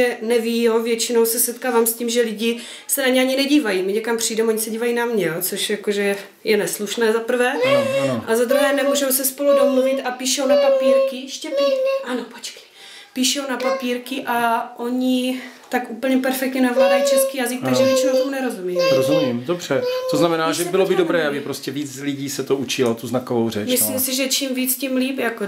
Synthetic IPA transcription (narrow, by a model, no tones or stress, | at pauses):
ɛnɛviːjovjɛt͡ʃɪnowsɛsɛt̪kaːvaːmscimʒɛlɪɟɪ | sɛnaɲɛaɲɪnɛɟiːvajimɪɲɛkampr̝̥iːdɛmoɲɪsɛɟiːvajinamɲɛjot͡soʃjakoʒɛ | jɛnɛsluʃnɛːzapr̩vɛːʔazad̪ɾuɦɛːnɛmuːʒowsɛspo̞ludomluvɪt̪apiːʃownapapiːɾkɪʃcɛpiʔanopot͡ʃkɪ̥ | piʃownapapiːɾkɪʔaʔo̞ɲɪ | t̪akʔupl̩ɲɛpɛɾfɛk̚t̪ɲɛnavladajit͡ʃɛskiːjazɪk̚t̪aɡʒɛvɛt͡ʃinot̪uːnɛɾo̞zumiɾozumimdobr̝̥ɛt̪oznamɛnaːʒɛbɪlobɪdobɾɛːʔabɪpɾoscɛviːt͡slɪɟiːsɛt̪out͡ʃɪlat̪uznakovowrɛt͡ʃmɪslimsɪʒɛt͡ʃimviːt͡scimliːpjako